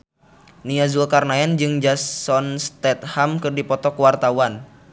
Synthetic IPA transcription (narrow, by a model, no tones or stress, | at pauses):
niazulkarnaɛnd͡ʒɨŋd͡ʒassɔnst̪ɛt̪̚hamkɨrdipɔt̪ɔkuwart̪awan